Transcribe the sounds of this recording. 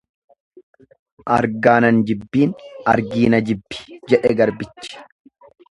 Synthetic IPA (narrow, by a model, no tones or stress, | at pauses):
ʔɐɾɡaːnɐnd͡ʒɪbːiːnɐ̰ɾɡiːnɐd͡ʒɪbːɪ̥d͡ʒɛᶑɛɡɐɾbɪt͡ʃːɪ̥